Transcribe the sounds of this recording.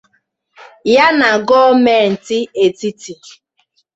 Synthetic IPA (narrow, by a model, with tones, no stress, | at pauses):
ja˦na˨ɡɔ˦me˨n̩˨tɪ˦e˨ti˦ti˨